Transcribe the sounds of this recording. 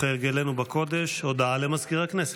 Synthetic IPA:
eʁɡelenubako̞d̪e̞ʃod̪aalemazkiʁhaknese

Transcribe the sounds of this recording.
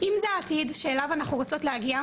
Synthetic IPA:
ʔimzeat̪idʃeːlavanaχnuʁot͡so̞tlehaɡia

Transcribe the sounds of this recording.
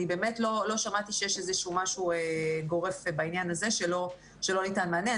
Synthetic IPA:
ibe̞ːme̞tlo̞lo̞ʃamat̪iʃejeʃezeʃumaʃueɡo̞ʁe̞fbainjanaze̞ʃe̞lo̞ | ʃe̞lo̞nitanmeane

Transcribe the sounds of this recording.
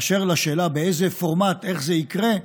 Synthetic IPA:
ʃeʁlaʃeːlabeejzefo̞ʁmat̪e̞χzeikʁe̞

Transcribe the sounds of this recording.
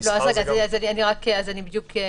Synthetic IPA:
loazʁeɡazazanianiʁakeazanibid̪jukʰe

